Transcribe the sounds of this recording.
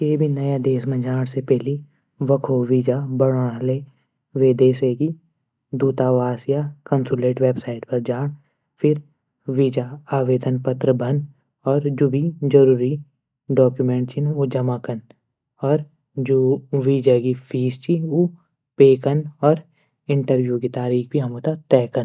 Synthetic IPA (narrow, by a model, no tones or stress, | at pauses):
keːbʱinɐjad̪eːsmẽd͡ʒaːɽ̃sepɛɦli | ʋəkʰoːʋiːd͡ʒabəɽɽ̃ale | ʋeːd̪eːseki | d̪uːt̪aːʋaːsjakənsuleːʈʋeːbsaːɪʈpɐɾd͡ʒaːɽ̃ | pʰɪɾ | ʋiːd͡ʒaaːʋeːd̪ənpət̪ɾəbʱən | ɔːɾd͡ʒubʱid͡ʒɐɾuːɾi | ɖɔːkjumẽːɳʈt͡ʃinod͡ʒɐmakən | ɔːɾ | d͡ʒoʋiːd͡ʒaɡipʰiːst͡ʃio | peːkənɔːɾ | ɪ̃ɳʈəɾʋjuːkit̪aːɾiːkʰbʱiɦɐmot̪at̪ɛːkən